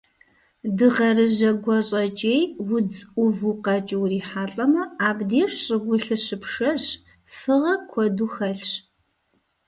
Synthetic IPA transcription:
dɨʁɐrɨʑɐɡʷɔɕʼɐt͡ʃʼeːjwʊd͡zʷʊvuqɐt͡ʃʼɪwriːħaːɬʼɐmɐaːbdeːʂɕʼɨɡʷʊɬɨɕɨpʂɐɕ | fɨʁɐkʷʰɔduxɐɬɕ

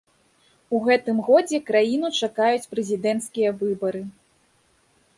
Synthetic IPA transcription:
uɣɛt̪ɨmɣɔd͡zʲɛkɾajinut͡ʂakajut͡sʲpɾɛzʲid̪ɛnt̪skʲijɐvɨbɐɾɨ

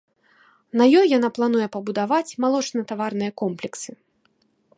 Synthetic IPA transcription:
nɐjɔjːanaplˠanujɛpɐbud̪avat͡sʲmalˠɔt͡ʂnɐt̪avarnɨjɐkɔmplʲɛksɨ

